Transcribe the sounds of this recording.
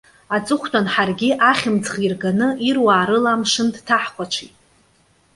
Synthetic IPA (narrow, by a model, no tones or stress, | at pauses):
at͡sʼɨχʷtʼanħarɡʲɪʔaχʲɪmt͡sʼχirɡanɨʔirwaːɾɨlamʂɨndtʰaħqʷat͡ʃʷʰitʼ